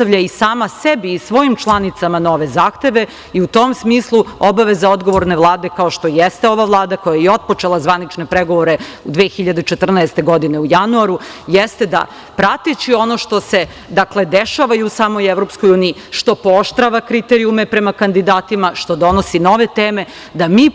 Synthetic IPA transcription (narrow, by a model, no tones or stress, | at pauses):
t̪aʋʎaisaːmasebiːsʋo̞imt͡ʃlˠanit̪samano̞ʋe̞zaːxt̪e̞ʋe̞ | iut̪o̞msmiːslˠuo̞baʋe̞zao̞d̪ɡo̞ʋo̞ɾne̞ʋlˠaːd̪e̞kao̞ʃt̪o̞jest̪eo̞ʋaʋlˠaːd̪ako̞jajeo̞t̪̚po̞t͡ʃe̞lˠazʋanit͡ʃne̞pɾeɡo̞ʋo̞ɾe̞ud̪ʋeːxiʎad̪et͡ʃet̪r̩naest̪e̞ɡo̞d̪ine̞ujanuaɾujɛst̪e̞d̪a̰ | pɾat̪et͡ɕio̞noʃt̪o̞se̞ | d̪akle̞d̪eʃaʋajuusaːmo̞jeʋɾo̞psko̞juːnii | ʃt̪o̞pooʃt̪ɾaʋakɾit̪eɾiume̞pɾe̞makand̪id̪aːt̪imaʃt̪o̞d̪o̞no̞sino̞ʋe̞t̪eːme̞ | d̪amiː